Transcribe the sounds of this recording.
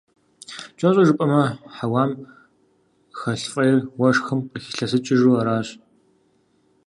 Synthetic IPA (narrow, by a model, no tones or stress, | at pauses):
t͡ʃʼɐɕʼɐʒɨpʼɐmɐħawaːm | xɐɬfʼɐjɪrwɐʂxɨmqəxi̥ɬɐsɨt͡ʃʼɪʒuːɐɾaːɕʼ